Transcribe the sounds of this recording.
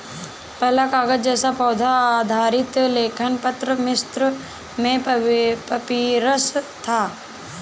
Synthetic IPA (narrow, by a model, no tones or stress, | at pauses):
pɛɦlakaːɡət̪̚d͡ʒɛːsapɔːd̪ʱad̪ʱaːɾɪt̪leːkʰənpət̪ɾəmɪst̪ɾə | mẽpɐpiɾəst̪ʰaː